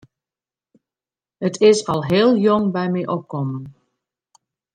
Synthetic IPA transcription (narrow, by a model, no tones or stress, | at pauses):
ətʰɪsɑlˠɦeːlˠjɔŋbɛjmɛjʔɔp̚kɔmən